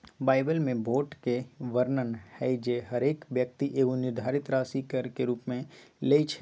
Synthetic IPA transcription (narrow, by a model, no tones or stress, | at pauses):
baːɪbəlmẽboːʈkeʋəɾnənhɛid͡ʒeɦəɾeːkʋjək̚t̪iʔeːɡõnɪɾd̪ʱaːɾɪt̪ɾaːsikəɾkeɾuːpmẽleit͡ʃʰ